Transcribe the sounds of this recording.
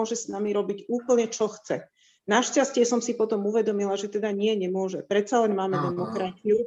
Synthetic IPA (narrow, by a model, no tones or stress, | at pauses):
ɔʒɛsnamiɾɔbiɟuːpl̩ɲɛt͡ʃɔxt͡sɛ | naʃcascɪɛsɔmsipɔt̪ɔmuʋɛd̪ɔmilaʒɛt̪ɛd̪aɲɪɛɲɛmʊɔʒɛpɾɛt̪t͡salɛnmaːmɛd̪ɛmɔkɾat͡siu